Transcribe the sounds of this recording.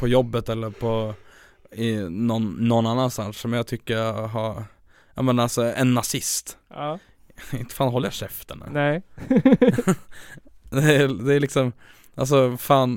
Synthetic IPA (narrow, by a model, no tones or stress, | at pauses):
pʰɔjɔbːət̪ɛlːəɾpʰɔ | ɪnɔnːɔnːanːansanʂsɔmjat̪ʰʏkːəɾɦɑɾ | jɑ̰ːmɛnalsɔɛnːasɪst̪ː | ɪnt̪ə̥faːnɦɔlːəjaʂɛft̪əɳa̰ | d̪ɛæd̪ɛælɪksɔm | ʔa̰ls̬ɔfaːn